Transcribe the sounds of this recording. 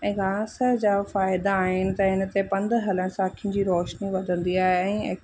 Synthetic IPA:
ɛ̃ːɡaːsəd͡ʑaːfaːɪd̪aːɦɪnɪ̆t̪ɐɦɪnə̆t̪epɐ̃nd̪ʱɦɐləɽ̃sãːkʰijʊ̃n̆d͡ʑiːɾɔːʃniʋɐd̪ʱə̃nd̪iaːɦeɛ̃ːe

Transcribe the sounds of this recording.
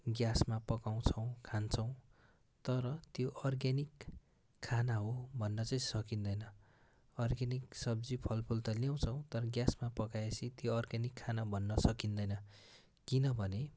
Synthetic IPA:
ɡjasmapʌkaw̃t͡sʰʌw̃kʰant͡sʰʌw̃ | t̪ʌɾʌt̪joʔʌrɡanikʰː | anaɦobʱʌnːʌt͡sʌj̃sʌkind̪ʌjnʌ | ʌrɡaniksʌb̚d͡zipʰʌlpʰult̪ʌljaw̃t͡sʰʌw̃t̪ʌɾʌɡjasmapʌkajesʰit̪joʌrɡanikʰːanabʱʌnːʌsʌkind̪ʌjnʌ | kinʌbʱʌne

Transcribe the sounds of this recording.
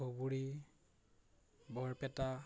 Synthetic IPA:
obuɹi | bɔɹpɛta

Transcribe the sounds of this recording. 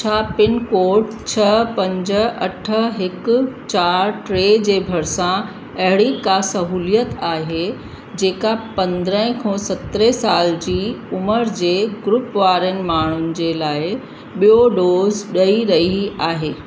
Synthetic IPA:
t͡ɕʰaːpɪnkoːɾʈt͡ɕʰɐpɐ̃ɲd͡ʑəɐʈʰə̆ɦɪkt͡ɕaːɾʈɾeːd͡ʑeːbʱɐɾsã | ɐɦɪɽikasɐɦuːlijət̪aːɦe | d͡ʑeːkapɐ̃nd̪ɾə̃ɦɪ̃kʰɔ̃ːsɐt̪ɾesaːld͡ʑiːʊməɾd͡ʑeːɡɾʊpʋaːɾənɪ̆maːɳ̤ʊnɪ̆d͡ʑeːlaːɪ | ɓijoɖoːzɗɐiɾɐɦiaːɦeː

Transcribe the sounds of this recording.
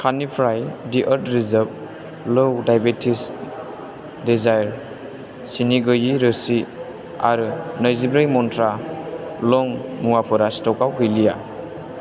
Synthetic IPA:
kʰanipʰɾajdiʔəɾtɾizəb̚ | lowdajbetʰis | dezajɾ | siniɡɯjiɾɯsi | a̰ɾɯnəjzibɾɯjmɔntʰɾa | lɔŋmuwapʰɔɾastɔkawkɯjlija

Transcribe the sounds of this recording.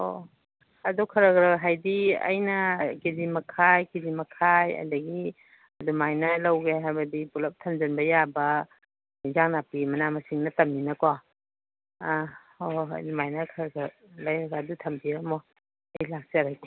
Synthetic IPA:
o̰ | ɐdɔkʰɐɾɐɡɾɐɦajdiɐ̰jnɐkizimɐkʰajkizimɐkʰajɐ̰dɐɡi | ɐdumajnɐlɐwɡeɦajbɐdipulɐp̚tʰɐmd͡ʒɐnbɐjabɐ | izaŋnapimɐnamɐsiŋnɐtɐmːinɐko | o̰dumajnɐkʰɐɾɡɯ | lajɾɐɡaːdutʰɐmbiɾɐmo | ejlak̚sɾajke

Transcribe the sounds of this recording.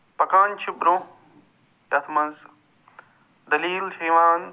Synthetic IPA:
pɐkaːnt͡ʃʰibɾõː | jɐt̪ʰmɐnz | d̪ɐliːlʃɐːʋaːn

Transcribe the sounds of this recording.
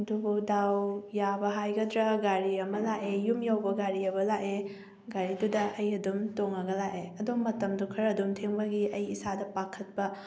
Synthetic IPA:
dubudawjabɐɦajɡɐdɾɐɡaɾiɐmɐlaʔejumjawbɐɡaɾiɐbɐlaʔe | ɡaɾidudɐʔɐjɐdumtoŋɐɡɐlaʔeɐdumːɐtɐmdukʰɐɾɐdumtʰeŋbɐɡiʔɐjisadɐpakʰɐt̚pɐ

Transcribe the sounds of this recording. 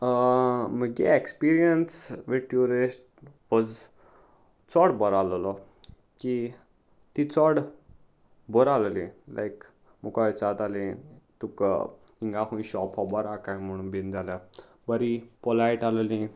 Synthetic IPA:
əməɡḛekspiɾijənsʋiʈuɾisʈ̚ | ʋɔd͡z | t͡sɔɽbəɾallɔ | ki | t̪it͡sɔɽ | bɔɾaləlĩlʔa̰jk | mukajt͡sat̪alĩt̪ukə̰ | iŋɡaɦũĩɕɔpʰɔbɔɾakãjm̤əɽ̃ũːnbind͡zalja | bəɾipɔlaiʈallĩ

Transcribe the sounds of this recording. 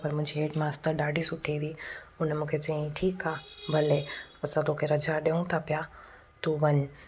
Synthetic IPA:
pɐɾmʊ̃ɦɪ̃ɲd͡ʑiɦeːʈmãːst̪əɾɗaːɖʱisʊʈʰeʋiiʊnmũːkʰet͡ɕiĩʈʰiːkaːbʱɐleɐsãt̪oːkʰeɾɐd͡ʑaɗeũt̪ʰapja | t̪uʋɐɲ

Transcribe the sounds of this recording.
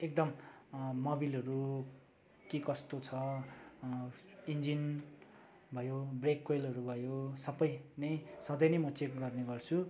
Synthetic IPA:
ek̚d̪ʌmː | obilʌɾu | kikʌst̪ot͡sʰʌ | ind͡zin | bʱʌjobrekːojlɦʌɾubʱʌjosʌbʌjnʌjsʌd̪ʌjnʌjmʌt͡sekɡʌrneɡʌrt͡sʰu

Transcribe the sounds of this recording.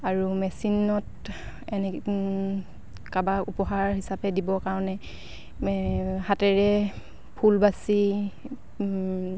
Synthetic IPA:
aɹumɛsinːɔt | ɛnɛ | kabakupɔɦaɹɦisapɛdibɔkaɹɔnɛ | hatɛɹɛ | pʰulbasi

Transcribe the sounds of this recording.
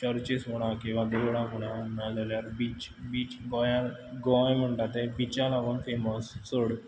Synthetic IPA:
t͡ɕəɾt͡ɕesoɽ̃ãkĩw̃ʋad̪eʋɽãkoɽ̃ãmad͡zaljaɾbiːt͡ɕ | biːt͡ɕɡɔjaɡɔjm̤əɳʈ̪at̪ebit͡ɕalaʋəɳfeməsːoɽ

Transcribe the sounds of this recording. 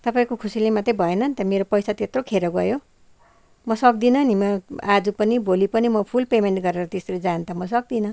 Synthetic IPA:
t̪ʌpaĩkokʰusilemat̪ribʱʌenʌnt̪ʌmeɾopʌjsat̪et̪rokʰeɾʌɡʌ̰jo | mʌsʌk̚d̪inʌnimʌad͡zupʌnibʱolipʌnimʌpʰulpemenʈɡʌɾeɾʌt̪esɾid͡zant̪ʰʌmʌsʌk̚d̪inʌ

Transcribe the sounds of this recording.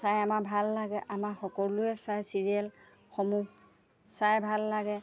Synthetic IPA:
sajamabʱalːaɡɛʔamaxɔkɔlʊɛsajsiɹiɛl | xɔmu | sajbʱalːaɡɛ

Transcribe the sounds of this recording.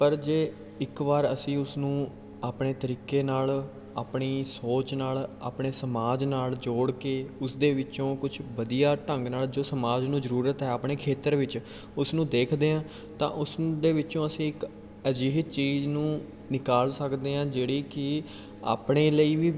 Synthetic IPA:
pəɾd͡ʒeː | ɪkʋaːɾəsĩːʊsnũː | aːpɳeːt̪əɾiːkeːnaːl | aːpɳiːsoːt͡ʃnaːla̰ːpɳeːsəmaːd͡ʒnaːld͡ʒoːɽkeːʊsd̪eːʋɪt͡ʃõːkʊt͡ʃʰʋəd̪ijaːʈəŋɡnaːld͡ʒoːsəmaːd͡ʒnũːzəɾuːɾət̪ɦɛːaːpɳeːkʰeːt̪əɾʋɪt͡ʃ | ʊsnũːd̪eːkʰd̪eːãː | t̪ã̰ːʔʊsd̪eːʋɪt͡ʃõːəsĩːɪk | əd͡ʒiːt͡ʃiːznũː | nɪkaːlsəkd̪eːãːd͡ʒeːɽiːkɪ | a̰ːpɳeːləiːʋiː

